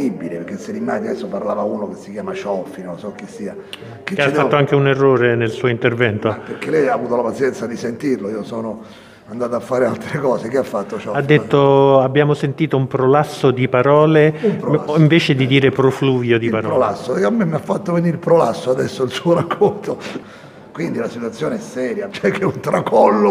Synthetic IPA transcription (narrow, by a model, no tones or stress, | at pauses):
ibːilepeɾk̟esːelːimːad͡ʒ̪ad̪ɛsːoparlaːvauːnokesːikjaːmat͡ʃɔfinonsɔk̟ːisːiːa | kekafat̪ːoaŋk̟eunerːoːɾenelsuːoint̪ervɛnt̪opekːelɛjavuːt̪olapat̪sjɛnt̪sad̪isent̪irloiːosɔːno | and̪aːt̪oafːaːɾealt̪ɾekɔːsek̟eafːat̪ːot͡ʃɔad̪ːet̪ːoabːjaːmosent̪iːt̪oumpɾolasːod̪ipaɾɔːlempiɱveːt͡ʃed̪id̪iːɾepɾofluːvjod̪ipaɾɾolasːokamːemːiafːat̪ːoveniɾilpɾola̰sːoad̪ɛsːoilsuːoɾakʰːont̪o | kwind̪ilasit̪wat̪sːjoːneɛsːɛːɾjat͡ʃɛkʰːeunt̪ɾakɔlːo